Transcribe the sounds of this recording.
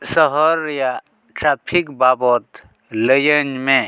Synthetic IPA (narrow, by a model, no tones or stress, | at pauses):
səɦəɾja | ʈɾaːpʰikbaːbɔt̪ | ləjənmẽ